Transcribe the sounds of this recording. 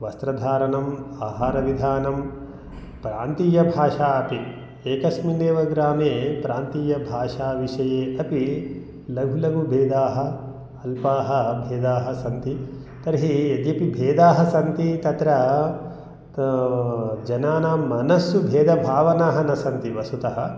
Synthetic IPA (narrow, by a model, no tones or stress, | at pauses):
ʋɐst̪ɾɐd̪ʱaːɾɐnɐmaːɦaːɾɐʋid̪ʱaːnɐm | pɾaːnt̪iːjɐbʱaːʂaːɐpi | eːkɐsmineːʋɐɡɾaːmeːpɾaːnt̪iːjɐbʱaːʂaːʋiʂɐjeːʔɐpi | lɐɡʱulɐɡʱubʱeːd̪aːɦɐ | ɐlpaːɦɐbʱeːd̪aːɦɐsɐnt̪i | t̪ɐɾɦied̪jɐpibʱeːd̪aːɦɐsɐnt̪it̪ɐt̪ɾɐ | d͡ʒɐnaːnaːmɐnɐsjubʱeːd̪ɐbʱaːʋɐnaːɦɐnɐsɐnt̪iʋɐsut̪ɐɦɐ